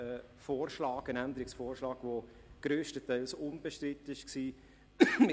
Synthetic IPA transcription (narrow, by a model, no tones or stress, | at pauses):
ə | foːrʃlɑːɡənænd̪əɾɪksfoːrʃlɑːɡ̥ʋo | ɡ̥ɾøːʃtətɛɪlsʊnb̥eʃtɾɪt̪ɪʃksiː | m